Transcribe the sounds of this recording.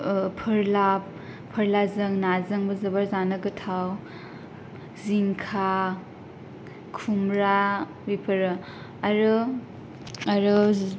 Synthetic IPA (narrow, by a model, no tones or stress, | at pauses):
pʰɯɾlap̚ʰː | ɐɾlazɐŋnazɐŋbɐzɐbaɾzanɐɡɯtʰaw | ziŋkʰa | kʰumɾa | bipʰɐɾɯ | ɐɾɯ | ɐɾɯ